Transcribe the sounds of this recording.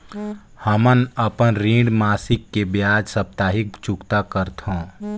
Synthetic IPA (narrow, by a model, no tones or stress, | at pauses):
həmənəpənɾĩːɳɖmaːsɪkːebjaːd͡ʒsəp̚t̪aːɦɪk̚t͡ʃʊkt̪akəɾt̪õː